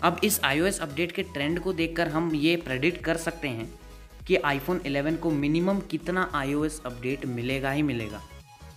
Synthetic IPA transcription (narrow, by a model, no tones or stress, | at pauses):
ɐbɪsaːjoːɛsɐp̚ɖeːʈkeʈɾɛ̃ɳɖkod̪eːkʰːəɾɦɐmjepɾeːɖɪʈkɐɾsɐk̚t̪eɦɛ̃ | kiʔaːifʰoːnɪlɛːʋənkomɪnɪməmkɪt̪naʔaːijoːɛsɐp̚ɖeːʈmɪleːɡaɦimɪlḛːɡa̰ː